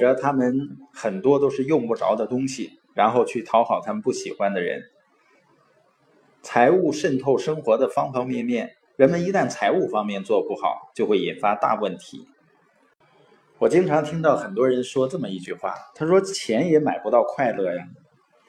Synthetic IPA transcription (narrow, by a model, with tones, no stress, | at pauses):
ʈ͡ʂɤ˧˥t̪ʰa˥mə˨nxə˨˩nt̪wɔ˥t̪o˥ʊʂɻ̩˥˧jʊ˥˧ŋpu˥˩ʈ͡ʂɑ̰˧˥ʊd̪ə˧t̪ʊ˥ŋɕi˨ | ɻa˧˥nxo˥˧ʊt͡ɕʰy˥˩t̪ʰɑ˧˥ʊxɑ˨˩ʊt̪ʰa˥mə˨npu˥˩ɕi˨˩xwa˥nd̪ə˨ɻə̰˧˥n | t͡sʰa˧˥ɪu˥˧ʂə˥˧nt̪ʰo˥˩ʊʂɤ˥ŋxwɔ˧˥d̪ə˧fɑ˥ŋfɑ˥ŋmjɛ˥˧nmjɛ˥˩n | ɻə˧˥nmə˧ni˧˥t̪a˥˩nt͡sʰa˧˥ɪu˥˩fɑ˥ŋmjɛ˥˧nt͡swɔ˥˧pu˥˩xɑ̰˨˩˦ʊt͡ɕjʊxwe˥˩i˨˩nfa˥t̪a̰˥˧wə˥˩nt̪ʰḭ˧˥ | wɔ˨˩t͡ɕi˥ŋʈ͡ʂʰɑ˧˥ŋt̪ʰi˥ŋt̪ɑ˥˩ʊxə˨˩nt̪wɔ˥ɻə˧˥nʂwɔ˥ʈ͡ʂɤ˥˩mə˩i˥˧t͡ɕy˥˧xwa̰˥˩t̪ʰa˥ʂwɔ˥t͡ɕʰjɛ˧˥njɛ˧˥ma˨˩ɪpu˧˥t̪ɑ˥˧ʊkʰwa˥˧ɪlɤ˥˩ja˩